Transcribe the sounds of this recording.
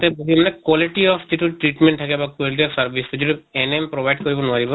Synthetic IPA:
t̪ɛbuɦimɔnɛkwɔliʈiɔpʰd͡ʒiʈuʈɾiʈmeɳʈʰːakɛbakwɔliʈ̬iɔfsaɾbʱisd͡ʒiʈuenempɾobʱajɖkoɾibɔnʊaɾibɔ

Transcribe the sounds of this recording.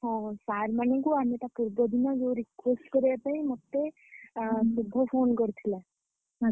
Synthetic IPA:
ɦʌ̃saɾmanɔ̃kuamiet̪apuɾbɔd̪inʌd͡zoɾikwesʈkʌɾepaĩmʌt̪ːe | subʱːɔpʰonɡʌɾt̪ʰila | ɦ

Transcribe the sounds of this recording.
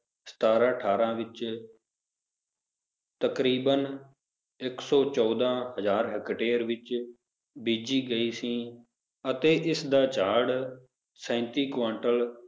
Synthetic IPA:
st̪aːɾãːʈʰaːɾãːʋɪt͡ʃ | t̪əkɾiːbən | ɪksɔːt͡ʃɔːd̪ãːɦəzaːɾɦəkʈeːɾʋɪt͡ʃ | biːd͡ʒiːɡəiːsĩː | ət̪eːʔɪsd̪aːt͡ʃaːɽ | sɛ̃ːnt̪iːkʋãːɳʈəl

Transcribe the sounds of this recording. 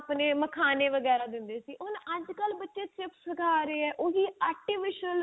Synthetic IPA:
pneːməkʰaːneːʋəɡɛːɾaːd̪ɪ̃nd̪eːsiːʔʊnəd͡ʒkəlbətːʃeːt͡ʃɪpsəɡʰaːɾeːɛːʔoːɦiːaːʈiːʋɪʃnəl

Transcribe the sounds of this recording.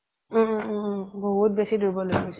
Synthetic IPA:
bɔɦut̚besiduɹbɔloɡios

